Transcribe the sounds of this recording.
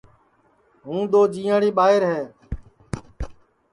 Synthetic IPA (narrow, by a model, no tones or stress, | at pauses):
ɦũːd̪oːd͡ʒiːãːɽiːɓaːɦɪɾɦɛː